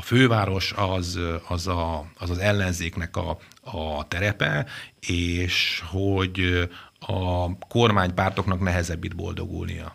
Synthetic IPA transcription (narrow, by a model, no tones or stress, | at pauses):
ɒføːvaːɾo̞ʃɒzɒzɒːzɒzɛlːɛnzeːknɛkɒ̰ː | t̪ɛɾɛpɛeːʃhoɟ | ɒko̞rmaːɲpaːrt̪o̞knɒknɛɦɛzɛbːid̪̚bo̞̰ld̪o̞̰ɡṵlnḭjɒ̰